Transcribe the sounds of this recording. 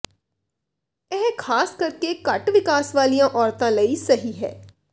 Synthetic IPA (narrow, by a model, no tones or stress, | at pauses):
ɛɦkʰaːskəɾkekəʈʋɪkaːsʋaːlijãːʔɔːɾt̪ãːləiːsəɦiːɦɛ̰ː